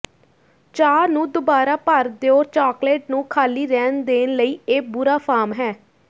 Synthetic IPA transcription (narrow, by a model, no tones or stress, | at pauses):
t͡ʃaːɾnũːd̪obaːɾaːpəɾd̪eːoːɾt͡ʃaːkleːʈnũːkʰaːliːɾɛːnd̪eːnləiːeːbʊɾaːpʰaːɾmɦɛː